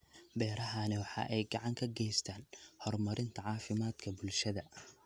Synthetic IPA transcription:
bɛːɾɐɦanɛwɑħɑ̰ːʔɛjɡɑʕɑŋkʰɐɡɛjst̪ʰaːnhɔrmɐɾʔɪnt̪ʰɐʕɑːfɪmaːd̪kʰɐbʊlʃɐðɐ

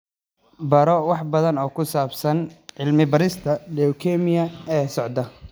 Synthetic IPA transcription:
bɐɾɔwɑħbɐðɐnɔːkʰʊsaːbsɐnʕɪlmɪbɐɾɪst̪ʰɐdɛwkʰɛmɪjɐɛːsɔʕd̪ɐ

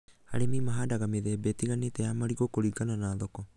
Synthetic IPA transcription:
a̰ɾimimaɦadaɡamiðebetiɡaniteamaɾiɡokoɾiɡananaːðoko

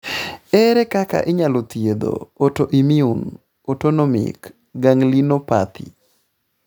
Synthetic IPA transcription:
ɛɾɛkaka̰ʔɪɲalot̪jed̪o̰ːtoʔimiun | otonɔomɪ̰k | ɡaŋlinopat̪ʰḭ

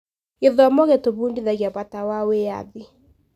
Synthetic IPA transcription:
iðamɔɣɛtoβundiðaɣiapatawawea̰ði

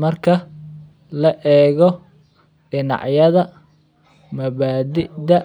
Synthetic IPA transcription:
mɐrkʰɐ | lɐʔɛːɣɔ | ɖɪnɑ̰ʕjɐðɐ | mɐβaːd̪ɪd̪ɐ

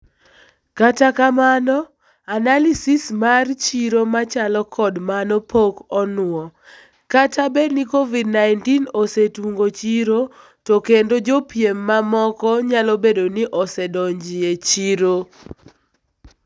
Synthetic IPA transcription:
katakamanɔ | analisismart͡ʃiɾomat͡ʃalɔkʰɔdmanɔpʰokɔnwɔ | katʰabenikovid̚naɪntinosetuŋɡot͡ʃiɾo | tɔkendod͡ʒopjemːamɔkɔɲalɔbedonɪʔɔsɛdɔɲd͡ʒɪet͡ʃiɾo

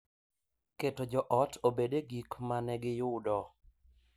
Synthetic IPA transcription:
ketod͡ʒɔʔɔtʰobedeɡikmanɛɡɪjʊdɔ

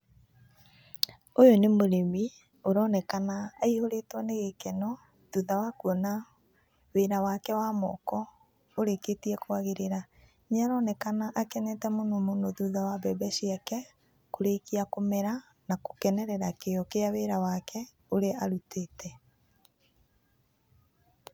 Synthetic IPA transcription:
ojonemoɾemi | oɾɔnɛkanaːihoɾetwɔneɣekɛnɔ | ðuðawakuɔna | weɾawakɛwamɔ̰kɔ | oɾeketiɛkwaɣeɾeɾa | ɲaɾɔnɛkanaʔakɛnɛtɛmonomonoðuðawabɛbɛɕiakɛ | koɾekiakomɛɾa | nako̥kɛnɛɾɛɾakeɔkeaweɾawakɛ | oɾeaɾuteːtɛ

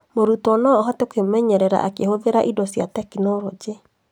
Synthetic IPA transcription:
moɾutɔnɔɦɔtokemɛɲɛɾɛɾa̰ʔakehoðeɾaʔidɔsjatɛkinoɾod͡ʒe

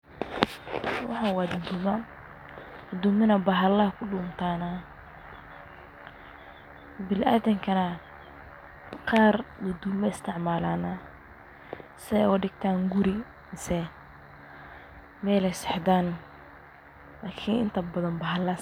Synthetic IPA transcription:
wɑ̰ħɑwaːd̪ʊd̪umɐ | ɡ̪ɐd̪umɪnɐbɐɦɐlɐkʰʊɖʊːmt̪ʰaːnɐ | bɪlʔaːðɐŋkʰɐnɐ | qɑːrd̪ɔd̪uːmɐɪst̪ʰɪʕmaːlaːna | sɛɔːɖɪɡ̚t̪ʰaːŋɡʊɾɪ | sɛ | mɛːlɛjsɛħd̪aːn | laːkʰɪnɪ̰nt̪ʰɐbɐðɐnbɐɦɐlɐ

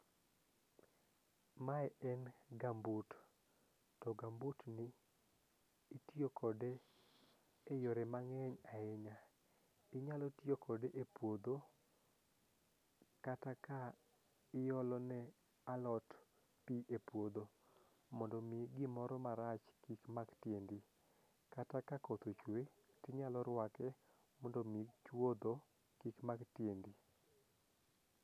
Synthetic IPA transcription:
maɛɛnɡambut | tɔɡambutnɪ | tjokʰɔde | ejɔɾemaŋɛɲaɪɲa | ɪɲalɔtjokʰɔdeʔepwod̪o | kataka | ɪjɔlɔnɛ | alɔt | piʔepwod̪o | mɔndɔmɪɡɪmɔɾɔmaɾat͡ʃkikmaɡtjendi | katakakɔt̪ot͡ʃwe | tɪɲalɔɾwakɛ | mɔndɔmit͡ʃwod̪o | kikmaɡtjendi

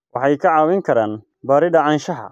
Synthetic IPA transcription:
wʔɑħɑjkʰɐʕɑːwɪŋkʰɐɾaːn | baːɾɪdɐʕɑːnʃɐɦɐ̰

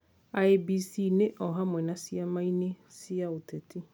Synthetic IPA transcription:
aebisineʔɔɦamwɛnãsiamãine | sɪaotʰɛtʰɪ

